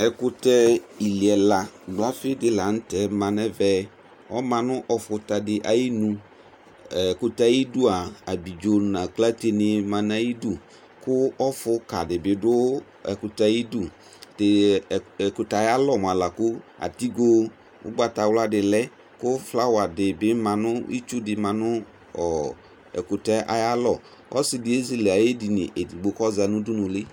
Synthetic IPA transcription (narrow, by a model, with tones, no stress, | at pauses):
ɛ˨kʊ˦tɛ˦i˨li˨ɛ˨la˨ɡ͡bʊ˨˦a˦fɪ˦dɪ˦la˨n̩˦tɛ˨mã˨nɛ˦vɛ˨ | ɔ˦mã˨nʊ̃˦ʔɔ˨fʊ˨˦ta˨dɪ˦ʔa˨ji˦nũ˦˨ | kʊ˨ta˨ji˦du˦a˨a˨bi˨d͡ʒo˨nã˨kla˦te˦nɪ˦mã˨na˦ji˦du˦˨ | kʊ˦ɔ˦fʊ˦ka˨dɪ˨bɪ˨dʊ˦ | ɛ̰˨kʊ˨ta˨ji˦du˦ | tɪ˨ | kʊ˨ta˨ja˦lɔ˨m˨a˨la˨kʊ˦a̰˨ti˦ɡo˦ | ʊ̰˦ɡ͡ba˨ta˨wla˦dɪ˨lɛ˦ | kʊ˦fla˦wa˨dɪ˨bɪ˦mã˨nʊ˦ḭ˦t͡ʃu˦dɪ˨mã˨nʊ˦ | ɔ˨ | ɛ̰˨kʊ˨ta˦ʔa̰˨ja˦lɔ˨ | ɔ̰˦sɪ˨dɪ˨˦e˦zi˨le˨a˨je˦di˨nɪ̰˨ʔe˨di˨ɡ͡bo˨kɔ˦za˨nʊ̃˦dʊ˦nʊ̃˨lɪ˦